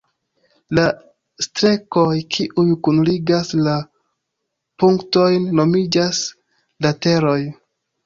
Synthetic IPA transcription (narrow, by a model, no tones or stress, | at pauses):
la | stɾe̞ko̞jkʰiʔujkunliɡasla | puŋkto̞jnːo̞mid͡ʒas | late̞ɾo̞j